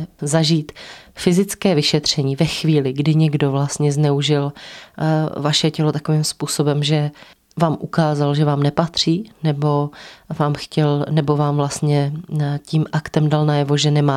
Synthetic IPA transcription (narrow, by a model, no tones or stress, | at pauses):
zaʒiːt̪fɪzɪt͡skɛːvɪʃɛt̪r̝̥ɛɲiːvɛxviːlɪɡdɪɲɛɡdo̞vlast̪ɲɛznɛuʒɪl | vaʃɛcɛlot̪ako̞viːmspuːso̞bɛmʒɛ | vaːmʔukaːzalʒɛvaːmnɛpat̪r̝̥iːnɛbo̞vaːmxcɛlnɛbo̞vaːmvlast̪ɲɛciːmʔakt̪ɛmdalnajɛvo̞ʒɛnɛmaː